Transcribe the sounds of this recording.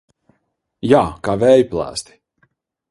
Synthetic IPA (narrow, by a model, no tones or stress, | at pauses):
jaːkaːvɛːjplˠa̰ːst̪i̥